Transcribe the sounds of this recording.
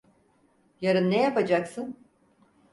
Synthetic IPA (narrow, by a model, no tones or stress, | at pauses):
jaɾɯnːejapad͡ʒaksɯn